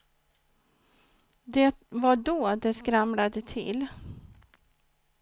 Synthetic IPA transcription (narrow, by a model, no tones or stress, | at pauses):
d̪ɛt̪vaɖɔd̪ɛskɾamlad̪ət̪ʰɪ̰l